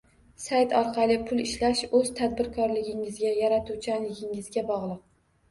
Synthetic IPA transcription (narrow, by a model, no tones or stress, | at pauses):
sajt̪ʰɒɾqʰɑlˠɪpʰʊlˠɪʃlaʃɵz̥t̪ʰad̪̚bɪɾkʰɒɾlɪɡʲɪŋɪzɡʲajaɾat̪ʰut͡ʃʰalːɪɡʲɪŋɪzɡʲabɒʁlˠɨq̚